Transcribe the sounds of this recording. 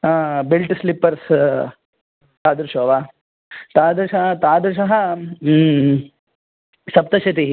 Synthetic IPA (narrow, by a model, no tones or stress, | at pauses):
abilʈslipːɐɾs | t̪aːd̪uɾʃoːʋa | t̪aːd̪uɾʃɐɦɐt̪aːd̪uɾʃɐɦɐ | sɐp̚t̪ɐʃɐt̪̬iɦi